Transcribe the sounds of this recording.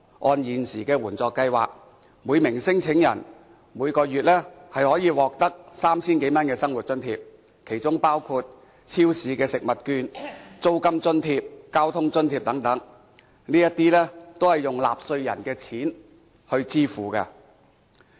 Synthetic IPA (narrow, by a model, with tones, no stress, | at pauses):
ʔɔː˧njiː˨nsiː˨˩kɛː˧wuː˨˩nt͡sɔː˨˧kːɐ˧jwa̰ː˨k̚ | muː˨˧jmɪ˨˩ŋsɪ˥ŋt͡sʰɪ˨˥ŋjɐ̰˨˩n | muː˨˧jkɔː˧jyː˨t̚lɛː˥hɐ˨jhɔː˨˥jiː˨˧wɔː˨k̚t̪ɐ˥k̚saː˥mt͡sʰiː˥nke˨˥jmɐ˥nkɛː˧sɐ˥ŋwu˨t̚t͡sɵ˥nt̪ʰḭː˧p̚ | kʰe˨˩jt͡sʊ˥ŋpaː˥wkʰuː˧t̚ | t͡sʰiː˥wsiː˨˧kɛː˧sɪ˨k̚mɐ˨t̚kyː˧nt͡so˥wkɐ˥mt͡sɵ˥nt̪ʰiː˧p̚kaː˥wt̪ʰʊ˥ŋt͡sɵ˥nt̪ʰiː˧p̚t̪ɐ˨˥ŋt̪ɐ˨˥ŋ | niː˥jɐ˥t̪ːiː˥lɛː˥t̪o˥whɐ˨˩jjʊ˨ŋla̰ː˨p̚sɵ˧ɥjɐ̰˨˩nkɛː˧t͡sʰiː˨˥n | hɵ˧ɥt͡siː˥fuː˨˩kɐ̰˧